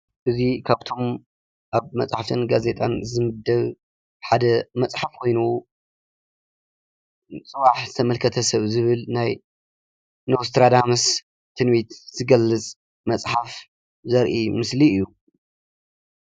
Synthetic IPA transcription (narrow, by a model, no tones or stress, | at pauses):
ʔɨzikʰaβt̪ʰo̞m | ʔaβmɐt͡sʼħaft̪ʰɨnɡazet̪ʼanzɨmɨd̪ːɐβ | ħad̪ɐmɐt͡sʼħafkʰo̞jnu | t͡sʼɨβaħzɨt̪ʰɐmɐlkʰɐt̪ʰɐsɐβzɨβɨlnaj | nost̪ʰɾad̪ams | t̪ʰɨnmit̪z̥ɨɡɐlːɨt͡sʼ | mɐt͡sʼħaf | zɐɾʔimɨsliɨjːu